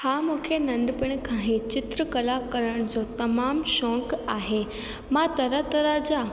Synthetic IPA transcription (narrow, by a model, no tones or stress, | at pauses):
hamũkʰenɐ̃ɳɖpɪɽ̃kʰãːɦẽt͡ɕɪt̪ɾəkɐlakɐɾəɽ̃d͡ʑot̪ɐmaːmʃɔ̃ːkaːɦe | mãt̪ɐɾat̪əɾad͡ʑa